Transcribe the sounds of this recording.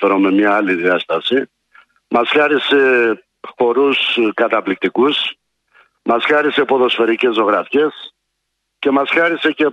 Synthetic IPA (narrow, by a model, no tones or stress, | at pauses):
eɾome̞mɲɐɐliðiɐst̪ɐsi | mɐsçɐɾise̞ | xo̞ɾuskɐt̪ɐplik̚t̪ikus | mɐsxɐɾise̞po̞ðo̞sfe̞ɾice̞zo̞ɣɾɐfçe̞s | ce̞mɐsxɐɾise̞ce̞